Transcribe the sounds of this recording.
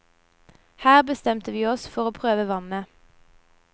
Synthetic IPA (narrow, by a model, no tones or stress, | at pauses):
hæːʁbəst̪ɛmt̪əʋiːɔsfɔʁoːpʰʁøːʋəʋɑnə